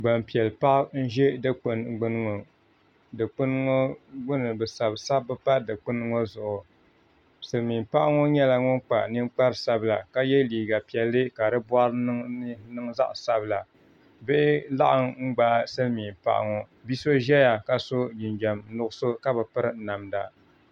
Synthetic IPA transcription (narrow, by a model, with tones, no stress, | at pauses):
ɡ͡ba˨mpi˨ɛ˨lpa˦ʔn̩˦ʒe˦dɨ˦k͡pɨ˨n˦ɡ͡bɨ˦n˦ŋo˨ | dɨ˨k͡pɨ˦n˦ŋo˦ɡ͡bʊ˦nɨ˨bɨ˨sa˨bsa˦bɨ˦pa˦dɨ˨k͡pɨ˦nɨ˦ŋo˦zʊ˨ʔʊ˨ | sɨ˨lmi˨mpa˦ʔa˦ŋo˦ɲɛ˦la˨ŋʊ˦nk͡pa̰˨nɨ˦ŋ͡mk͡pa˦ɾsa˦bla˨ka˦jɛ˦liː˨ɡa˨pi˨ɛ˨lːɨ˦ka˨dɨ˦bwa˦ɾnɨ˦ŋza̰˦ʔsa˦bla˨ | bɪ˦ʔɪ˦la˦ʔa˦ŋŋ͡m̩˦ɡ͡ba˦sɨ˦lmi˨m˨pa̰˦ʔa̰˨ŋo˨ | bi˦so˦ʒɛ˦ja˨ka˦so˦d͡ʒi˨nd͡ʒɛ˨mnʊ˦ɡʊ˦so˦ka˦bɨ˨pɨ˦ɾɨ˦na˨mda˨